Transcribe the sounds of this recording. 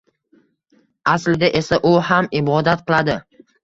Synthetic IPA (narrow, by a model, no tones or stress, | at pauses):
aslɪd̪aʔe̞saʔʊhamɪbɒd̪at̪qɨlˠad̪ɪ